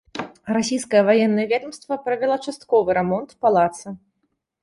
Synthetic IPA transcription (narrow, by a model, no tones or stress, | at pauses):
rasʲijskɐjɐvajɛnːɐjɛvʲɛd̪ɐmst̪vɐpɾɐvʲɛlˠɐt͡ʂast̪kɔvɨɾɛmɔnt̪palˠat̪sɨ